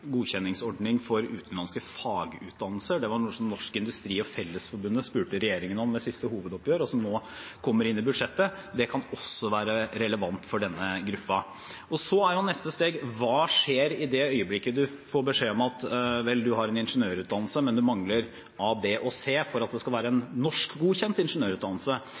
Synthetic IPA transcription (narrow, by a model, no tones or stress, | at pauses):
ɡuːçɛnːɪŋsɔɖnɪŋfɔɾʉ̰ːt̪ən̩lɑnskəfɑːɡəʉːt̪̚d̪ɑnəlsəɖɛʋɑɳuːəsɔmnɔʂkəɪnd̪ʉst̪ɾiːɔfɛlːəsfɔɾbʉnd̪əspʉːʈəɾɛjeːɾɪŋənɔmːɛsɪst̪əɦuːʋəd̪ɔpjøːɾəɔsɔmnoː | kʰɔmːəɾɪnːɪbʉd̪ʂɛt̪ːə | d̪ɛkʰɑnɔsːɔʋæːɾəɾɛləʋɑnt̪fɔɖɛnːəɡɾʉpːɑ | ɔsɔæɾhɑnnɛst̪əst̪eːɡʋɑːʂeːɾɪd̪ɛœʏəblɪkːəd̪ʉfoːɾbəʂeːɔmɑt̪ʋɛld̪ʉɦɑɾɛnɪnʂənøːɾʉːt̪d̪ɑnlsəmɛnd̪ʉmɑŋləɾ | ɑbeːʔɔseːfɔɾɑt̪̚d̪ɛskɑlʋæːɾəɛnnɔʂkɡuːçɛnt̪ɪnʂənøːɾʉːt̪d̪ɑnl̩sə